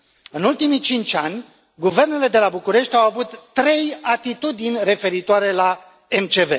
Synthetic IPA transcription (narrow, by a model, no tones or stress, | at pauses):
ɨnult̪imit͡ʃint͡ʃʲanʲ | ɡuve̞rne̞le̞d̪e̞labukuɾe̞ʃt̪ʲawavut̪ːɾe̞jat̪it̪ud̪inʲre̞fe̞ɾit̪oaɾe̞la | emt͡ʃe̞ve̞